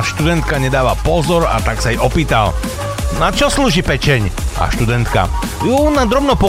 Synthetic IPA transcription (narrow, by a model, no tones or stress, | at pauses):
ʃt̪ud̪ɛnt̪kaɲɛd̪aːʋapɔzɔɾa̰t̪aksajɛʔɔpiːt̪a̰l | nat͡ʃɔsluːʒiːpɛt͡ʃɛɲʔa̰ʃt̪ud̪ɛnt̪ka̰ | junad̪ɾɔbnɔpɔ